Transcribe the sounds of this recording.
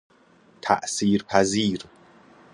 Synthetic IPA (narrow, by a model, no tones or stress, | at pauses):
t̪ʰæ̰ʔsiːɾpʰæziːɾ